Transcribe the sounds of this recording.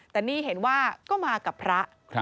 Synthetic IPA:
t̪ɛː˨˩niː˥˩ɦe˩˦nwaː˥˩kɔː˥˩maː˧ka˨˩pʰɾa˦˥ʔ

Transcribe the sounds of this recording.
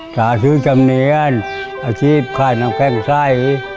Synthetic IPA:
taː˨˦sɯː˧˥˨t͡ɕa˧mni˧˦ə˧˨n | ʔa˧t͡ɕʰiː˦˥˩p̚kʰaː˧˩jna˧ŋpʰɛ˧˩˨ŋsa˧˩˨j

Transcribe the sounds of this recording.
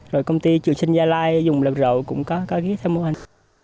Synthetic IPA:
zo˨˩jkə˧wŋ͡mt̪i˧t͡ɕɨ˨˩əŋsï˧ŋ̟zaː˧laː˧jzʊ˨˩ŋ͡mlə˨˩p̚zə̰˧˨wkʊ̰˧˥ŋ͡mkɔ˨˦kɔ˨˦ɣi˨˦ət̪ʰɛ˧wmo˧ha˨˩

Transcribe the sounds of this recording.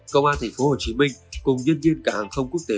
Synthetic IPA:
kə˧wŋ͡mʔaː˧nt̪ʰɛ˨˩ŋ̟fo˨˦ho˨˩t͡ɕi˨˦mï˧ŋ̟kʊ˨˩ŋ͡mzə˧ənzi˧ənkaː˧˩haː˨˩ŋxʰə˧wŋ͡mku˦˥ək̚t̪e˨˦

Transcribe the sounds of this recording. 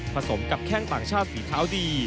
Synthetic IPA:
pʰɾa˧so˩˦mka˨˩p̚kʰɛː˥˩ŋt̪aː˨˩ŋt͡ɕʰaː˥˩t̪̚siː˩˦t̪ʰaː˦˥wdiː˧

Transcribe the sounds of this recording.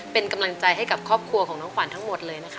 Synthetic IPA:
pe˧nka˧mla˧ŋt͡ɕa˧jɦa˥˩jka˨˩p̚kʰɔː˥˩p̚kʰu˧ɐkʰɔː˩˦nɔː˦˥ŋkwaː˩˦nt̪ʰa˦˥ŋmo˨˩t̪̚lɤː˧jna˦˥kʰa˦˥

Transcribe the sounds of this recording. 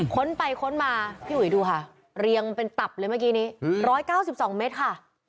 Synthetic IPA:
kʰo˦˥npa˧jkʰo˦˥nmaː˧pʰiː˥˩wui˩˦duː˧kʰa˥˩ | ɾi˧əŋpe˧nt̪a˨˩p̚lɤː˧jmaː˥˩k̬iː˦˥niː˦˥ɾɔː˦˥jkaː˥˩wsi˨˩p̚sɔː˩˦ŋmeː˦˥t̪̚kʰa˥˩

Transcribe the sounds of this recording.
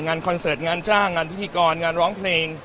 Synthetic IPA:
ŋaː˧nkʰɔ˧nsɤː˨˩t̪̚ŋaː˧nt͡ɕaː˥˩ŋːaː˧npʰi˦˥t̪ʰiː˧kɔː˧nŋaː˧nɾɔː˦˥ŋpʰleː˧ŋ

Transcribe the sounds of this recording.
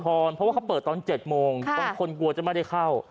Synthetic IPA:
t̪ʰɔː˧npʰɾɔ˦wa˥˩a˦˥wpɤː˨˩t̪̚ːɔː˧nt͡ɕe˨˩t̪̚moː˧ŋʰɔː˧˩kʰo˧nklu˧ɐt͡ɕa˨˩ma˥˩jda˥˩kʰa˥˩w

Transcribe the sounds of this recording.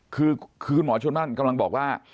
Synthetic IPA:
kʰɯː˧kʰɯː˧kʰu˧nmɔː˩˦t͡ɕʰu˧əmaː˥˩nka˧mla˧ŋbɔː˨˩k̚waː˥˩

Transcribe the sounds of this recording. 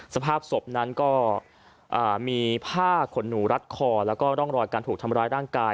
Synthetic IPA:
sa˧pʰaː˥˩p̚so˨˩p̚na˦˥nkɔː˥˩ | ʔɤː˨˩miː˧pʰaː˥˩kʰo˩˦nːuː˩˦ɾa˦˥t̪̚kʰɔː˧lɛː˦˥wkɔː˥˩t̪ɔ˥˩ŋɾɔː˧jkaː˧nt̪ʰuː˨˩k̚t̪ʰmɾaː˦˥jɾaː˥˩ŋkaː˧

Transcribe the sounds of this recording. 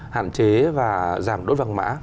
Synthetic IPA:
ha̰ː˧˨nt͡ɕe˨˦vaː˨˩zaː˨˩mɗo˨˦˥t̚va˧ŋma̰ː˧˥

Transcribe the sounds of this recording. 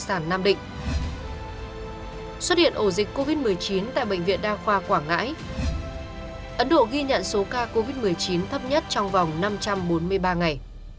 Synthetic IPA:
saː˧˩nːaː˧mɗḭ̈˧˨ŋ̟ | swə˦˥t̚ɗḭ˧˨əʔo˧˩zï˨˩k̟̚ko˧vi˦˥t̚mɨ˨˩əjt͡ɕi˨˦nt̪a̰ː˧˨jɓə̰˧˨ŋ̟vḭ˧˨ənɗaː˧xwaː˧kwaː˧˩ŋa̰ː˧˥j | ʔə˨˦nɗo̰˧˨ɣi˧ɲə̰˧˨nso˨˦kaː˧ko˧vi˦˥t̚mɨ˨˩əjt͡ɕi˨˦nt̪ʰə˦˥p̚ɲə˦˥t̚t͡ɕɔ˧wŋ͡mvɔ˨˩wŋ͡mna˧mt͡ɕa˧mɓo˨˦nmɨ˧əjɓaː˧ŋa˨˩j

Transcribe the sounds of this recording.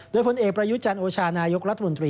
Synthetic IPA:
doː˧jpʰo˧nʔeː˨˩k̚pɾa˧ju˦˥t̪̚t͡ɕa˧nʔoː˧t͡ɕʰaː˧naː˧jo˦˥k̚ɾa˦t̪ʰːa˧mo˧nt̪ɾiː˧

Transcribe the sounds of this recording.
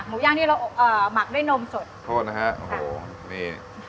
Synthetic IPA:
k̚muː˨˩˦jaː˧˩ŋt̪ʰiː˥˩ɾa˧wʔɤː˨˩ma˨˩k̚ɗu˥˩˨jno˧mso˨˩t̪̚t̪ʰoː˥˩t̪̚na˦˥kʰɛ˦˥ʔo̰˨˩hoː˧˩ | niː˧˩

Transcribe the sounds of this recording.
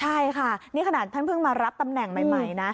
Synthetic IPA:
t͡ɕʰa˥˩jkʰa˥˩nniː˥˩kʰa˧naː˨˩t̪ʰːa˥˩npʰɯ˥˩ŋmaː˧ɾa˦˥p̚t̪a˧mnɛ˨˩ŋma˨˧˩jma˧˩jna˦˥

